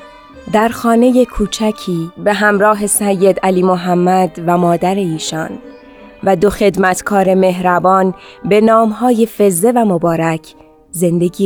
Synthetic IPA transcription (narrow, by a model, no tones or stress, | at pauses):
d̪æɾxɒːne̞je̞kʰuːt͡ʃʰæcʰiːbe̞ɦæmɾɒːɦe̞sæjːe̞d̪æliːmoɦæmːæd̪væmɒːd̪æɾe̞iːʃɒːn | væd̪o̞xe̞d̪mæt̪ʰkʰɒːɾe̞me̞ɦɾæbɒːnbe̞nɒːmɦɒːje̞fe̞ze̞væmobɒːɾæcʰ | ze̞nd̪e̞ɡiː